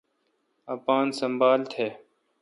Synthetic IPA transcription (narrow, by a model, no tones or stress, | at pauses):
ɐpaːnsəmbaːlt̪ʰeː